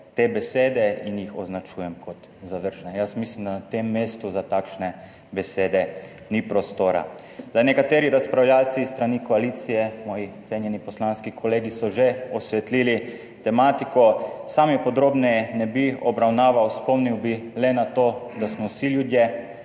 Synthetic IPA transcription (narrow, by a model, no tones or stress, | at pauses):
t̪eːbɛseːd̪ɛinjixɔznat͡ʃuːjɛmkʰɔt̪ | zaʋəɾʒnɛjasmislimd̪anat̪emːeːst̪uzat̪akʃnɛ | bɛseːd̪ɛ | nipɾɔst̪oːɾa̰ | zanɛkat̪eːɾiɾaspɾawljalt̪siːst̪ɾanikɔaliːt̪sijɛmɔːjiɔt̪seːnjɛnipɔslanskikʰɔleːɡisɔʒeɔsʋɛt̪liːli | t̪ɛmaːt̪ikɔsamjɛpɔd̪ɾoːbnɛjɛnɛbiɔbɾawnaːʋawspɔmniwbilɛnat̪od̪asmɔwsiljud̪je